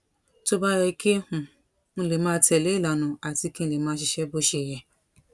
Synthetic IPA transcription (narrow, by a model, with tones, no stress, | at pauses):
to˦ba˦ɾɛ˧i˦˧ke˦hũ˨ | ñ̩˦˧le˨mãː˦tɛ˨le˨˦i˦˨la˨nũ˨˦a˨ti˧kĩ˦˧le˨mãː˨˦ʃi˧ʃɛ˧bo˦ʃe˧˨jɛ˨